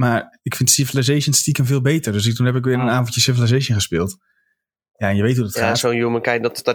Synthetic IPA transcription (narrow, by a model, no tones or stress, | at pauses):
maːɹɪkfɪntsɪfəlazejʃənstikənvɪːlˠbejtərdøs̬ɪktunɦɛpɪkʋɪːɾənaːnvənjəsɪvəlazejʃənχəspɪːlˠt | jaɛnjəʋejtɦudɔtχaːsoːnjumənkajdɔt